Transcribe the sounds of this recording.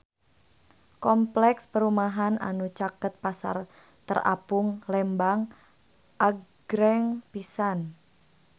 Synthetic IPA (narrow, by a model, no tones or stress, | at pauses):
kɔmplɛkspəɾumaɦanʔa̰nut͡ʃakət̪̚pasa̰r | t̪əra̰pʊŋlɛmbaŋ | ʔaɡ̥ɾɛŋpisan